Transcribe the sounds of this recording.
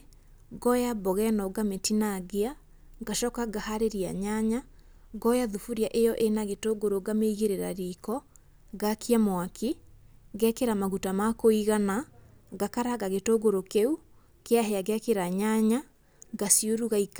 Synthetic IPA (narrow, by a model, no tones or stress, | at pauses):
ɡɔjabɔɣɛnɔɡametinaɣea | ɡaʃɔkaɡahaɾeɾia̰ɲaɲa | ɡɔjaðufuɾiaʔejɔʔenaɣetoɡoɾoɡameiɣeɾeɾa̰ɾikɔ | ɡakʰiamwakʰiɣɛkeɾamaɣutamakoiɣanaɣakaɾaɣaɣetoɡoɾokeu | keaɦɛaɡakeɾaɲaɲa | ɡasioɾuɣaik